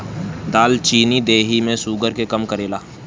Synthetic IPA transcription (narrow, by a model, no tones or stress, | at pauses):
d̪aːlt͡ʃiːnid̪eːɦimẽsuːɡəɾkekɐmkəɾeːlaː